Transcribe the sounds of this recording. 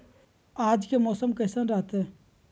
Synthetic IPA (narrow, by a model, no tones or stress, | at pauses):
aːd͡ʒkemɔːsəmkɐːsə̃nɾaːt̪e